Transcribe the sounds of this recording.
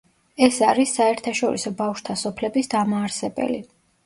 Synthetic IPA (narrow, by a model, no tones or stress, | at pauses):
ɛsaɾisːaɛɾt̪ʰaʃɔɾḭsɔbafʃt̪ʰasɔpʰlɛbisd̪amaːɾsɛbɛ̰li